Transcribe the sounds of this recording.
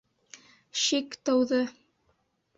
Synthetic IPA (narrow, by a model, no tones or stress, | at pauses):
ʃikt̪ɤ̆wðɤ